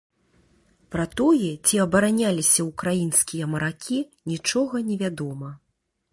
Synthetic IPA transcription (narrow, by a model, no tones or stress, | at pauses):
pɾɐt̪ɔjɛt͡sʲiɐbɐɾanʲalʲisʲɐukɾajinskʲijɐmɐɾakʲʰinʲit͡ʂɔɣɐnʲɛvʲad̪ɔmɐ